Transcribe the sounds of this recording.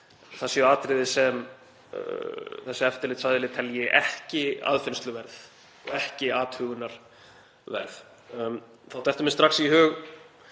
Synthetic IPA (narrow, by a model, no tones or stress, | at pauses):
θɛsjaːt̪ɾɪðɪsɛm | θɛsːɪɛft̪ɪɾlɪt̪saðɪlɪt̪ʰɛljɪʔɛ̰hcɪa̰ːðfɪnst̪lʏvɛɾθ | ɔ̰ɣɛhcɪaːt̪hʏːɣʏnaɾ̥ | vɛ̰ɾð | θawt̪ɛhft̪ʏmɪ̥st̪ɾaxsiɦʏːɣ